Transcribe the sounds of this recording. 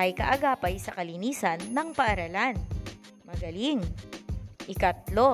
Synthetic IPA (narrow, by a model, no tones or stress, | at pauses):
ʔɐjkɐ̰ʔɐɡaːpɐjsɐkɐliniːsɐnːɐŋpɐʔɐɾɐlan | mɐɡɐliŋ | ʔɪkɐt̪lo